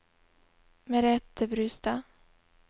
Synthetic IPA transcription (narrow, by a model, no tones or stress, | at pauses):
mɛɾɛt̪ːəbɾyːst̪a